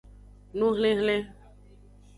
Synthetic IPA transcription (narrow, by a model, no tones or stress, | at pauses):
nũːɦəlẽːɦəlẽː